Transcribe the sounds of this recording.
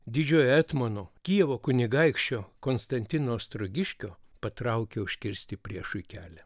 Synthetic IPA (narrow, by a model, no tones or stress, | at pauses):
d̪ʲɪd͡ʒʲoːjɛt̪monoːkʲiɛʋoːkʊnʲɪɡɐɪkʃʲt͡ʃʲoːkoːnst̪ɐnʲt̪ʲɪnoːst̪ɾoɡʲɪʃʲkʲoː | pɐt̪ɾɐʊkʲeʊʃʲkʲɪɾʲsʲt̪ʲɪpʲɾʲiɛʃʊɪkʲæːlʲɛ